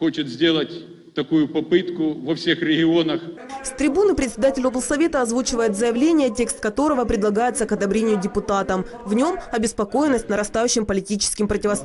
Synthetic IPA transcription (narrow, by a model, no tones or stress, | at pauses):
xot͡ɕɪt̪zʲdʲe̞lˠətʲ | t̪ɐkujʊpɐpɨt̪kʊvɐfsʲe̞xɾʲɪɡʲɪonəxst̪ɾʲɪbunɨpɾʲɪt̪ʲsʲɪd̪atʲɪlʲoblˠsɐvʲet̪əɐzvut͡ɕɪvəjɪt̪zəjɪvlʲenʲɪjət̬ʲe̞kst̪̚kɐt̪o̞ɾəvəpɾʲɪdlˠɐɡajɪt̪səkɐd̪ɐbɾʲenʲɪjʊdʲɪpʊt̪at̪əm | vnʲo̞mɐbʲɪspɐko̞jɪnːəsʲtʲnəɾɐst̪ajʉɕːɪmpəlʲɪtʲit͡ɕɪ̥skʲɪmpɾətʲɪvɐst̪